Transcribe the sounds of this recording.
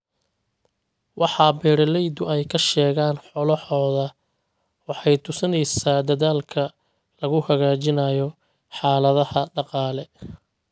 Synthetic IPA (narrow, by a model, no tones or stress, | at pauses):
wʔɑħɑːbɛːɾɐlɛjd̪ʊɛjkʰɐʃɛːɣaːnħɔlɔħɔːðɐ | wɑħɑjt̪ʰʊsɐnɛjsaːd̪ɐðaːlkʰɐ | lɐɣʊhɐɣaːt͡ʃɪnaːjɔ | ħɑːlɐðɐhɐɖɑqɑːlɛ